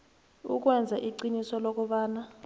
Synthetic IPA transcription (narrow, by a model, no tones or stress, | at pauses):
uk̬wɛnd͡zʱaʔiǀinisɔlok̬ʼuɓaːna